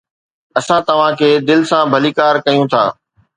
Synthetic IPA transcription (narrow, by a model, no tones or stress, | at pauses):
ɐsãt̪ɐʋ̤ãkʰeːd̪ɪlsãbʱɐliːkaːɾkɐjũt̪ʰa̰ː